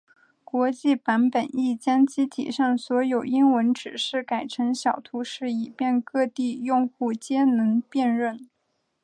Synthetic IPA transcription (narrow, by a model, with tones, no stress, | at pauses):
kwɔ˧˥t͡ɕi˥˩pa˧˥npə˨˩ni˥˩t͡ɕjɑ˥ŋt͡ɕi˥t̪ʰḭ˨˩ʂɑ˥˩ŋswɔ˧˥jo˨˩ʊi˥ŋwə˧˥nʈ͡ʂɻ̩˨˩ʂɻ̩˥˩ka˨˩ɪʈ͡ʂʰɤ˧˥ŋɕjɑ˨˩ʊt̪ʰu˧˥ʂɻ̩˥˩i˨˩pjɛ˥˧nkɤ˥˧t̪i˥˧jʊ˥˧ŋxu˥˩t͡ɕjɛ˥nɤ˧˥npjɛ˥˧nɻə˥˩n